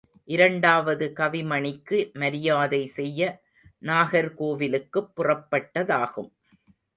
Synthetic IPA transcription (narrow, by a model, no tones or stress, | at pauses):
ʔɪɾɐɳɖaːʋɐðɯkɐʋɪmɐɳɪkːɯmɐɾɪjaːðɐɪsɛjːɐ | naːɣɐɾkoːʋɪlɯkːɯpːʊrɐpːɐʈːɐðaːɣɯm